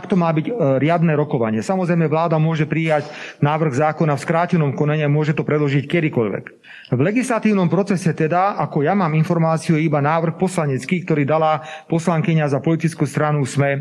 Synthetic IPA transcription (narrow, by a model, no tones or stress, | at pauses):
akt̪ɔmaːbiɟɾɪad̪nɛɾɔkɔʋa̰ɲɪɛsamɔzɾɛjmɛʋlaːd̪amʊɔʒɛpɾijaɟnaːʋr̩ɣzaːkɔnafskɾaːcɛnɔmkɔnaɲiamʊɔʒɛt̪ɔpɾɛd̪lɔʒickɛd̪ikɔʎʋɛ̰k | vlɛɡislat̪iːʊnɔmpɾɔt͡sɛsɛt̪ɛd̪aakɔjamaːminfɔɾmaːt͡sijuibanaːʋr̩xpɔslaɲɛt͡skiːkt̪ɔɾiːd̪alapɔslaŋkiɲazapɔlit̪it͡skust̪ɾanusmɛ